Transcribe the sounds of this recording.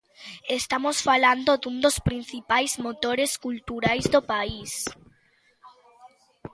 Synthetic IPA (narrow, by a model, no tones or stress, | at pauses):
est̪amosfaland̪ʊd̪ũnd̪ospɾinθipajzmot̪oɾeskult̪uɾajzd̪opais